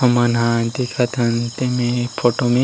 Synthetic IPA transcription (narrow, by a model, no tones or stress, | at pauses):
ɐmanɦãnt̪ikʰat̪ʰɐnt̪emẽpʰoːʈomẽ